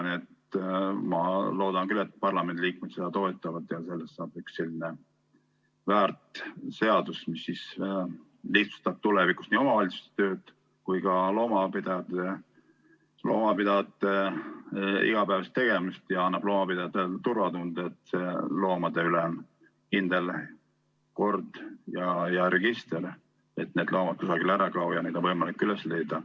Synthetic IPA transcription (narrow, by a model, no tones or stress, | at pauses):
net̪mɑlo̞ːd̪̥ɑnkylːet̪̚ːpɑrlɑme̞nd̪ilʲiːkmet̪sed̪̥ɑt̪o̞et̪ːˑɑvɑd̪jɑse̞lːest̪sɑːb̥yksːe̞lʲːine | væːrt̪ˑse̞ɑd̪̥usmisːis | liht̪su̥st̪ɑb̥̚t̪uleviku̥st̪niːo̞mɑvɑlʲit̪su̥st̪e̥t̪ø̞ːd̪̥ | kujkɑlo̞ːmɑpid̪ɑjɑt̪e | lo̞̰ːmɑpid̪ɑjɑt̪ːe | ḭɡ̥ɑpæːvɑst̪ːe̞ɡ̥e̞mist̪jɑɑnːɑb̥lo̞ːmɑpid̪ɑjɑt̪ːˑet̪uɾvɑt̪und̪̥et̪selo̞ːmɑd̪̥e̞ylen | kind̪el | ko̞rd̪̥jɑjɑɾe̞ɡ̥ist̪eɾ | et̪ːne̞d̪lʔo̞ːmɑt̪̚kusɑɡilæɾɑklɑwjɑnejd̪onvɤjmɑlikːˑylesle̞jd̪ɑ